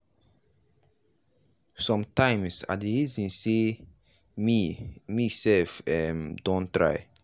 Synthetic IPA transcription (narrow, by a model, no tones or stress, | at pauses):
sɔ̃mtãɪ̃msa̰deɹizĩnse | mimisɛlfɛmdõntɹa̰ɪ